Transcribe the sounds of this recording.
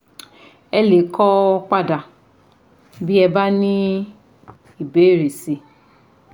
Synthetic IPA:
ɛ˦le˨˦kʰɔ˦k͡pa˦da˨ | bi˦ɛ˧ba˦nĩ˦ | i˨be˨˦ɾe˨si˧

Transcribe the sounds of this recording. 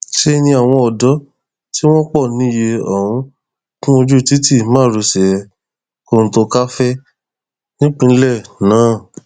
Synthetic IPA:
ʃe˦˧nĩ˧a˨w̃ɔ̃˧ɔ˨dɔ˨˦ | ti˦w̃ɔ̃˦k͡pɔ˦˨nĩ˨˦je˧ɔ˨ɾũ˧˦ | tũ˦mo˧d͡ʒu˦˨ti˦ti˦˨mãː˦˨ɾu˧sɛ˨ɛ˧ | ko˧˨ñ̩˨˦to˧ka˦fɛ˦ | nĩ˦k͡pũ˧˦lɛ˦˨nãː˨˦˨

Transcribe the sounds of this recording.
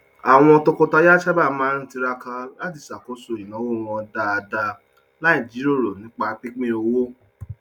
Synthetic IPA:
a˨w̃ɔ̃˧ɔ˧to˧ko˧ta˧ja˦ʃa˦ba˦˨˦mãː˦ɾĩ˦ti˧ɾa˧ka˧la˦di˨sa˨ko˧˦so˨i˨nã˨˦wo˦˨w̃ɔ̃˧da˧a˧da˧ | na˦i˨d͡ʒi˨˦ɾi˦o˦˨ɾo˨nĩ˨˦k͡pa˧˦pi˦k͡pẽ˦o˧wo˦

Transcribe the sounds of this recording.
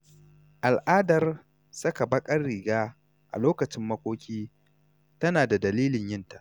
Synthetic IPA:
ʔa˨lʔaː˦dɐ˨r | sɐ˦ka˨bɐ˦kʼɐ˦rːiː˨ɡaː˦ | ʔa̰˨loː˦kɐ˨t͡ʃɪ˦mːɐ˦kʷʼoː˦kʲiː˦ | tɐ˦naː˨da˨dɐ˨liː˦lɪ˨ɲjɪ˦nta˨ʔ

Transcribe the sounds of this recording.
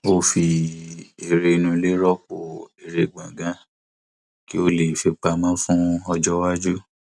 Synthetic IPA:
o˦fi˧ | e˨ɾe˧i˧nũ˧le˦ɾɔ˦ko˦˨e˨ɾe˧˨ɡ͡bã˨ɡã˦ | ki˦o˦le˨fi˧k͡pa˧mã˦fũ˦ɔ˧d͡ʒɔ˦wa˦d͡ʒu˦

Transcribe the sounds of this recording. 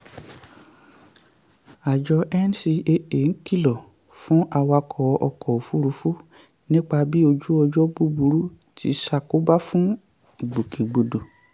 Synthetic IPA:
a˨d͡ʒɔ˧ʔɛ˦n˦si˧e˧e˨ŋ̩˦ki˦˨lɔ˨ | fũ˦ʔa˧wa˧kʰɔ˨ɔ̰˧kʰɔ˨o˨fu˦ɾu˨˧fu˦ | nĩ˦k͡pa˧bi˦o˧d͡ʒu˦ɔ˧d͡ʒɔ˦bu˦bu˧ɾu˦ | tʰi˨˧˦ʃa˧˨ko˦ba˦fũ˦ | i˨ɡ͡bo˨kĩ˨ɡ͡bo˨do˨

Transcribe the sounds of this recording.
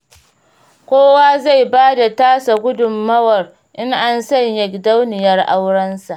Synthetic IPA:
kʷoː˦waː˦za˦˨jbaː˦da˨taː˦sa˨ɡʷʊ˦dʊ˨mːɐ˦wɐ˨r | ʔɪ˦ŋʔa˦nsɐ˦˨ɲjɐ˨kʲda˦wnɪ˨jɐ˦rʔa˦wɽɐ˦nsa˨ʔ

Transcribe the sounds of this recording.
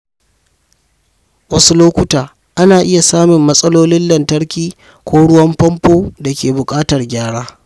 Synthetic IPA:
wɐ˦su˦loː˦kʷʊ˦taː˨ | ʔa˦naː˨ʔɪ˦ja˨saː˦mɪ˨mːɐ˦sʼɐ˦loː˦lɪ˦nlɐ˨ntɐ˦ɽkʲiː˦ | kʷoː˦ɽʊ˦wɐ˦mɸɐ˦mpoː˦da˨kʲeː˨bʊ˨kʼaː˦tɐ˨rɡʲaː˦ɽaː˦

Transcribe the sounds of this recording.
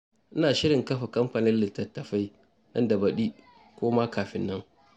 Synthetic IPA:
ʔɪ˦naː˨ʃɪ˦ɽɪ˨ŋkɐ˦ɸa˨kɐ˦mɸa˨nɪ˦nlɪ˨tːɐ˨tːɐ˨ɸa˦j | nɐ˦ndɐ˨bɐ˨ɗiː˦ | kʷoː˦maː˦kaː˨ɸɪ˦nːɐ˦ŋ

